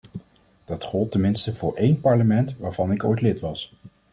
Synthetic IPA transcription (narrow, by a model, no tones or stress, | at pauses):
d̥ɑtχɔlˠtəmɪnstəvʊːɹʔejnpɑɹləmɛntʋaːɹvɑnɪkɔjtlɪtʋɑs